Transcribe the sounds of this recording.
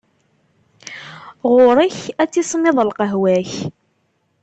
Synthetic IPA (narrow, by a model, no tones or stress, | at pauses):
ʁoɾˤəçæt͡sːisˤmɪðˤəlqəɦwæç